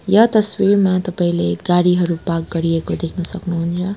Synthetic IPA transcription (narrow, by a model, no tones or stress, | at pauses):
jʌt̪ʌswiɾmat̪ʌpaĩleɡaɽiɦʌɾupak̚ɡʌɾiekod̪ekʰnʌsʌknuɦunt͡sʰʌ